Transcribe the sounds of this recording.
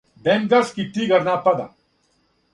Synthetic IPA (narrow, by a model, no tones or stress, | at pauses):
bemɡ̪ɐskiʈʰːiːɡɐɾnaːpɐd̪a̰